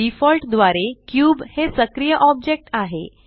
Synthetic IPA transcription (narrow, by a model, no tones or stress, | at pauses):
ifɔlʈd̪ʋaɾekjuːbhesəkɾijəʔɔb̚d͡ʑek̚ʈaɦḛ